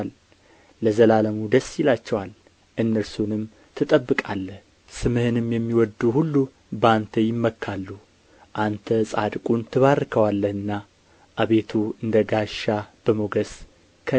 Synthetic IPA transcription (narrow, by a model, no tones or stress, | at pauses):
lː | əzəlaləmud̪əsːjɪlat͡ʃːɛwal | ʔɨnːəɾsunɨm | t̪ʰɨt̪ʼəbːɨkʼalːə | sɨmɨhɨnɨmjɛmːiwɔd̪uhulːu | bəant̪ʰəjɪmːəkʰːalːu | ʔant̪ʰəsʼad̪kʼunt̪ʰɨβarːɨkʰəwalːəhɨnːa | ʔaβe̞t̪ʰuɨnd̪əɡaʃːab̥əmoɡəs | kʰə